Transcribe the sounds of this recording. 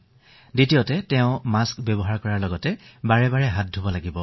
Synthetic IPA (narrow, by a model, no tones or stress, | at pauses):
ditijotɛtɛʊ̃maskbjɛbɔɦaɹkɔɹaɹlɔɡɔtɛbaɹɛbaɹɛɦat̚dʱobɔlaɡibɔ